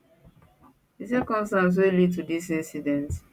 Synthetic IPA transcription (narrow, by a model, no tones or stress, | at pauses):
dis̬ɛkɔ̃mstãns̬welid̚tudisĩnsidɛ̃nt